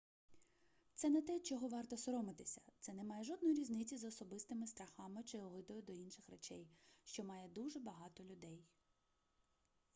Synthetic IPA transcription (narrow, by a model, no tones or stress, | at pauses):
t̪sɛnɛt̪ɛt͡ʃɔɦɔʋɑrt̪ɔsɔɾɔmɪt̪ɪsʲɐ̥t̪sɛnɛmɑjɛʒɔd̪̚nɔjiɾʲiznɪt͡sʲizɔsɔbɪst̪ɪmɪst̪ɾɐxɑmɪt͡ʃɪɔʋˠɪd̪ɔjʊd̪ɔinʃɪxret͡ʃɛjʃt͡ʃɔmɑjɛd̪uʒɛbɐɦɑt̪ɔlʲʊd̪ɛj